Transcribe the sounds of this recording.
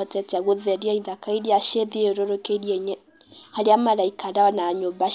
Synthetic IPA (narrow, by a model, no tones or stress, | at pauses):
ɔtɛtɛɣoðɛɾiaiðakaiɾeaʃeðieɾoɾokeiɾjɛɲɛ | haɾeamaɾaikaɾaɔnaɲomba